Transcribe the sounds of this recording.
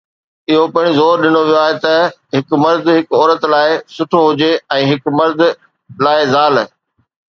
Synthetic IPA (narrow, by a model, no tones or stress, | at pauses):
ɪɦopɪɪ̃ɽ̃izɔːɾɗɪnoʋijoaːɦet̪ɐɦɪkmɐɾd̪ʱɦɪkɔːɾət̪laːɪsʊʈʰoɦʊd͡ʑeɛ̃ːɦɪkmɐɾd̪ʱ | laːɪzaːlː